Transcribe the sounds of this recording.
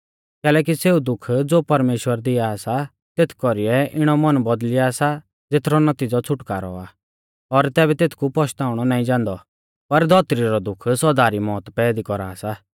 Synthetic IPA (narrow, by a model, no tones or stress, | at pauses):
kɛːlɛːk̬iseːud̪ʊkʰd͡zoːpɐɾmeːʃwəɾd̪ɪasa | t̪eːt̪ʰkɔɾiɛʔɪɽ̃ɔmɐnbɔd̪lɪjasa | d͡zet̪ʰɾɔnɐt̪iːd͡zɔt͡sʰʊʈkaːɾɔ̰a | ɔɾt̪ɛːbɛt̪eːt̪ʰkupɔʃt̪aːʊɽ̃ɔnaːĩd͡ʒãːnd̪ɔ | pɐɾd̪ʱɔt̪ɾiɾɔd̪ʊkʰsɔd̪aːɾimɔːt̪pɛːd̪ikɔɾaːsa